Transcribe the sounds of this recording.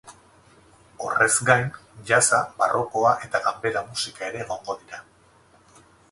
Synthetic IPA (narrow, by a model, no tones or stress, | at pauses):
o̞̰re̞zɡajnʎasabarʔo̞ko̞aʔe̞t̪aɣambe̞ɾamusikae̞ɾe̞ːɣo̞ŋɡo̞ðiɾa